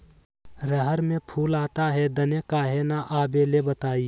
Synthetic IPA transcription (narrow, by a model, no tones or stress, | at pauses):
ɾəɦəɾmẽpʰuːlaːt̪aɦɛd̪ɐnekaːɦenaʔaːbelebət̪aːi